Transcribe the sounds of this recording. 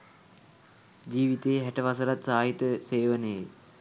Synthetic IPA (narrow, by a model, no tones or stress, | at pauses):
d͡ʑiːʋit̪ejːɦæʈəʋasəɾat̪saːɦit̪əseːʋənəje